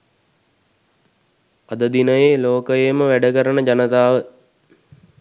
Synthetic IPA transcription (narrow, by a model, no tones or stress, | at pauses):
ad̪əd̪inəjeloːkəjeməʋæɖəkəɾənəd͡ʑanət̪aːʋə